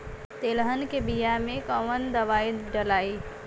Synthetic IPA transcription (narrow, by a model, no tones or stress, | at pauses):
t̪eːləɦənkebijamẽkəʋənd̪əʋaːiɖəlaːiː